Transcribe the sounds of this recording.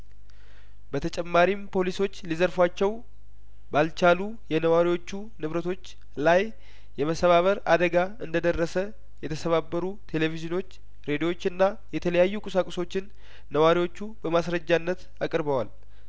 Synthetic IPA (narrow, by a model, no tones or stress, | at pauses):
bət̪ʰət͡ʃʼɛmːaɾimpʰo̞liso̞t͡ʃːlizəɾfwat͡ʃːɛw | balt͡ʃalu | jɛnəwaɾiwot͡ʃːu | nɨβɾət̪ʰo̞t͡ʃː | lajː | ɛməsəβaβəɾad̪əɡaɨnd̪əd̪ərːəsə | jɛt̪ʰəsəβabːəɾut̪ʰe̞le̞vizɨno̞t͡ʃː | ɾe̞d̪iwo̞t͡ʃːɨnːa | jɛt̪ʰələjajːukʼusakʼso̞t͡ʃːɪnː | əwaɾiwo̞t͡ʃːubəmasɾəd͡ʒːanːət̪ | akʼɨɾbəwal